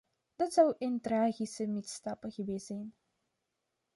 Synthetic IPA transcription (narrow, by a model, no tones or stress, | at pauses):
d̥ɑtsʌwʔɪntraːɣisəmitstɑpəɣəʋeːsɛjn